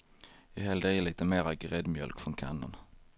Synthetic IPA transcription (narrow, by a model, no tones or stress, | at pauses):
jɑhɛːld̪ejəliːt̪əmeːɾaɡɾɛd̪mjœ̰lkfɾɔnkʰa̰nːə̰n